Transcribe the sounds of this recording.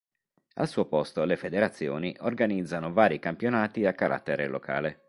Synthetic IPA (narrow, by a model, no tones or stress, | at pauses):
a̰lsuːopɔst̪olefed̪eɾat̪sːjo̰ːniʔorɡanid̪zːanovaːɾikampjonaːt̪iakːaɾʔa̰t̪ːeɾḛlo̰kʰa̰ːle